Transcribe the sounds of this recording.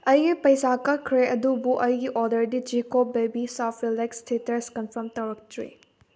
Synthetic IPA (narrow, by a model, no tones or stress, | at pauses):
ɐjɡipɐjsakɐkʰɾeʔɐdubuʔɐjɡiʔɔɾdɐɾdid͡ʒikobebisapʰɾilekstʰitɐɾskɐnpʰɐɾmtɐwɾɐk̚tʰɾḛ